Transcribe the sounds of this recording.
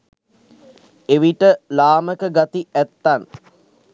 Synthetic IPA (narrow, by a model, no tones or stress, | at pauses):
eʋiʈəlaːməkəɡat̪iʔæt̪ːan